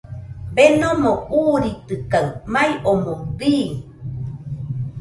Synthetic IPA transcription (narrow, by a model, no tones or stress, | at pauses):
benomouɾit̪ɨkawmajʔomobiːŋ